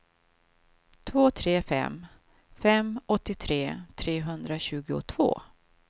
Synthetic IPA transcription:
t̪ʰvoːt̪ʰɾeːfɛ̰m | fɛmɔt̪ːɪt̪ʰɾeːt̪ʰɾeːɦɵnd̪ɾaɕʉ̟ːɡʊ̰t̪ʰv̥o̰ː

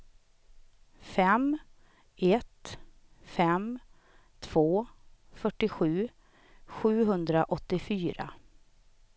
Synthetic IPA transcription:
fɛm | ɛt̪ | fɛm | t̪ʰv̥oːfœʈːɪɧʉ̟ː | ɧʉ̟ːɦɵnd̪ɾaʔɔt̪ːɪfyːɾa̰

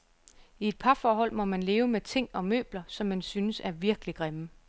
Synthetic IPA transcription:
ie̝d̥̚pʰɑ̈fɒːɦɒ̽l̰mɒ̽mænle̝ːʊəmet͡sʰe̝ŋ̰ɒ̽mø̰ːb̥lɐsɒ̽mːænsynəsæɐʋiɐɡ̥əliɡ̥ʁamə

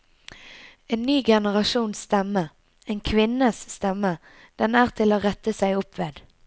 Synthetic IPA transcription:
eːnːyːɡɛnəʁɑʃuːnst̪ɛmə | eːnkʰʋɪnəsːt̪ɛmə | d̪̥ɛnæːʁt̪ʰɪloːʁɛt̪əsæɪʊpʋeːd̪̥

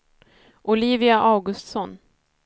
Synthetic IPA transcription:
ʔʊliːvɪaʔaːɡɵst̪sɔn

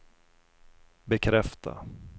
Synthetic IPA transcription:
bɛkʰɾɛft̪ʰa̰

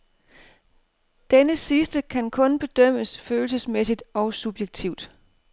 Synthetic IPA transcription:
d̥enəsisd̥əkʰænkʰɔ̽nb̥e̝d̥œm̰əsføːl̩səsmesid̥ɒ̽ʊsub̥jeɡ̥̚t͡sʰiʊd̥

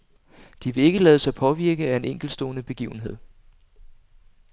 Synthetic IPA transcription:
d̥iʋe̝e̝ɡ̥əlɛːðˠsɑ̈ɪpʰɒ̽ʋiɐɡ̥əæe̝neŋ̰ɡ̥l̩sd̥o̰ːnəb̥e̝ɡ̥ḭːʊn̩ɦe̝ð̞̰ˠ

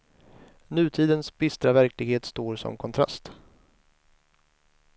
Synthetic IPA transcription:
nʉ̟ːt̪ʰiːd̪ənsbɪst̪ɾavæɾklɪɡheːt̪st̪oːɾsɔ̰mkʰɔnt̪ʰɾa̰st̪

